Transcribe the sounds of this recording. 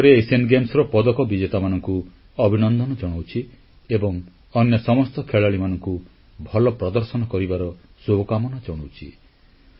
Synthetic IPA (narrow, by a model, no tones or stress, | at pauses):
ɾeesenɡemsɔɾɔpɔd̪ɔkɔbid͡ʒet̪amanɔŋku | ɔbʱinɔnd̪ʱɔnɔd͡ʒɔɽ̃awt͡ʃʰi | ebɔŋ | ɔnjɔsɔmɔst̪ɔkʰeɭaɭimanɔŋku | bʱɔlɔpɾɔd̪ɔɾsɔnɔkɔɾibaɾɔ | sokamɔnad͡ʒɔɽ̃awt͡ʃʰi